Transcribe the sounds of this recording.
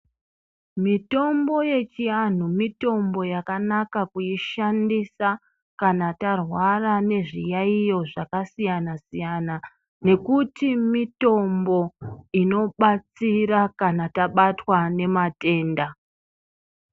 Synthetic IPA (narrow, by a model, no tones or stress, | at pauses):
mito̞mbo̞je̞t͡ʃian̤umito̞mbo̞jakanakakujiʃandisa | kanatarwarane̞ʐijaijo̞ʐakasijanasijana | ne̞kutimito̞mbo̞ino̞ɓat͡siɾakanataɓatwane̞mate̞ːnda